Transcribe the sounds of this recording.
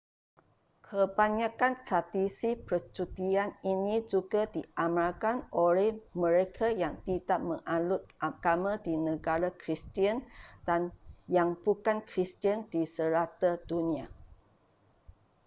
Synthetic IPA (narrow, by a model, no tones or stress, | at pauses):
kʰəbaɲakanst̪ɾadisipərt͡ʃut̪ianinid͡ʒuɡadiʔamalkanʔolɛhmə̃ɾekʰajaŋt̪idaʔ̚mə̃ŋʔalʊt̪̚ʔakamadinə̃ɡaɾakɾist̪iənd̥anjaŋbukankɾist̪iənd̥isəɾat̪adunĩa